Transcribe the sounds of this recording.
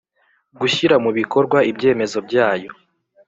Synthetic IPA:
ɡuçiɾamuβiko̞ɾɡwaibɟe̞ːme̞zo̞b̚ɟaːjo̞

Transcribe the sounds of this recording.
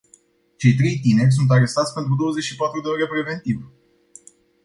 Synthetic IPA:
t͡ʃe̞jt̪ɾe̞jt̪ine̞rʲs̬unt̪̬aɾe̞st̪at̪sʲpe̞nt̪ɾud̪o̞wəze̞t͡ʃʲʃipat̪ɾud̪eoɾepɾe̞ve̞nt̪iv

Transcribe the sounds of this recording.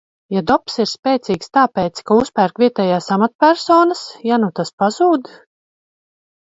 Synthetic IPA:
jad̪ɔpsiɾspʲɛːt̪siːkst̪aːpɛːt̪skauspæːɾkvʲiɛt̪ɛːjaːsamat̪pʲæɾsɔːnasjanut̪aspazuːd̪

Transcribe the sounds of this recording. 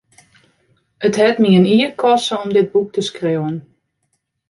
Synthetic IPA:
ətɦɛtmiəniəkʰɔsəɔmdɪd̚buk̚tʰəskrewən

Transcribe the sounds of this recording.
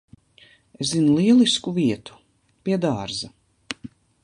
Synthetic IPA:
eszinulˠiɛlˠiskuviɛt̪u̥ | piɛd̪aːɾzɐ

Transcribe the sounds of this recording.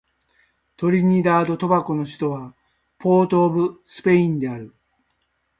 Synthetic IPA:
t̪o̞ɾʲiɲ̟id̪aːd̪o̞t̪o̞bako̞no̞ɕi̥t̪o̞βa | pʰo̞ːt̪o̞ːbɯ̟sɨ̥pe̞ĩnd̪e̞aɾɯ̟

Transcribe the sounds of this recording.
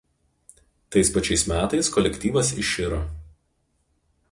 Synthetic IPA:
t̪ɐɪspɐt͡ʃʲɛɪsmʲæːt̪ɐɪskɔlʲɛkʲt̪ʲiːʋɐsɪʃʲɪɾo

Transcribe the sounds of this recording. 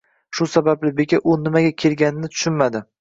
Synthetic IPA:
ʃʊsabablɪbekʲaʔʊnɪmaɡʲakʲʰe̞lɡʲanɪnɪt̪ʰʊ̥ʃɪnmad̪ɪ

